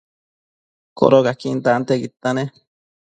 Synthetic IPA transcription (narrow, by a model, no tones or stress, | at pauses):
ko̰ɾokakint̪aʔnt̪eɡit̪ːane